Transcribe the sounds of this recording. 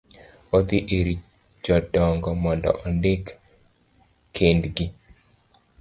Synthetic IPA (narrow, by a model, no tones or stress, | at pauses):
ɔd̪iʔeɾi | d͡ʒɔdɔŋɡɔmɔndɔ̰ʔɔndɪk | kʰːendɡi